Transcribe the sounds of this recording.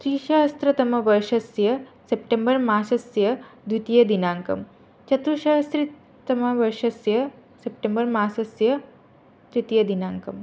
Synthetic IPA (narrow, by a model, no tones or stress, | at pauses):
t̪ɾiːʃɐɦɐst̪ɾɐt̪ɐmɐʋɐɾʃɐsjɐsep̚ʈembəɾmaːsɐsjɐd̪ut̪ijɐd̪inaŋkɐ̰m | t͡ʃɐt̪uʃɐɦɐst̪ɾi | t̪ɐmɐʋɐɾʃɐsjɐsepʈembəɾmaːsɐsjɐ | t̪ɾit̪ijɐd̪inaŋkɐm